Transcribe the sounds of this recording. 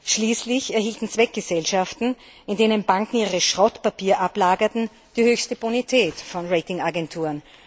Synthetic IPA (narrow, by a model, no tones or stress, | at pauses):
ʃliːslɪçɛɐɦiːltn̩t͡sv̥ɛk̚ɡ̥əzɛlʃaftn̩ | ɪndeːnənbaŋkŋ̩iːʁʁəʃʁɔtpapiːɐʔaplaːɡɐtn̩ | d̥iːhøːçstəbunitʰɛːtfɔnʁeɪtɪŋaɡɛntʰuːn